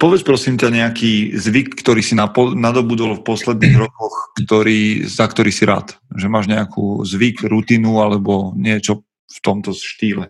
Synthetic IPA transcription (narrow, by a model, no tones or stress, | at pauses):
pɔʋɛt͡spɾɔsiːmcaɲɛakiːzʋikːt̪ɔɾiːsinaɔnad̪ɔbud̪ɔlfpɔslɛd̪̚niːɣɾɔkɔxkt̪ɔɾiːzakt̪ɔɾiːsiɾa̰ːt̪ʒɛmaːʒɲɛakʰṵːzʋikɾut̪iːnualɛbɔɲɪɛt͡ʃɔ | ft̪ɔmt̪ɔʃt̪iːlɛ